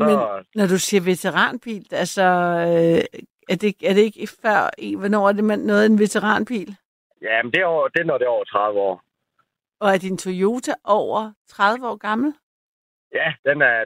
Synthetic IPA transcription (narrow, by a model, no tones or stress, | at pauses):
smenɒd̥usiːɐʋe̝t͡sʰeʁɑ̰̈ːnb̥ḭːl̥ælsɒ | æɐd̥e̝ɡ̥æɐɾ̥e̝e̝ɡ̥ifɶɐ̰ḭʋɒnɒ̰ːæɐd̥e̝menːɔ̽ːð̩ˠe̝nʋe̝t͡sʰeʁɑ̰̈ːnb̥ḭːl | jæmnd̥e̝d̥enɔd̥eɒʊɐt͡sʰʁɑ̈ðˠʋəɒ̰ː | ɒ̽æɐd̥int͡sʰojo̝ːt͡sʰæʔɒʊ̰ɐt͡sʰʁɑðˠʋəɒ̰ːɡ̥ɑ̈ml̩ | jæd̥enæɐ